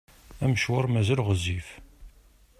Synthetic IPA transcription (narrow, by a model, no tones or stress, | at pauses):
æməʃwʊɾˤmæzælʁəzif